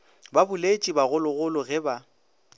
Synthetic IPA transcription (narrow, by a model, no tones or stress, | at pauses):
babʊlet͡ʃʼibaɣʊlʊɣʊlʊɣɛba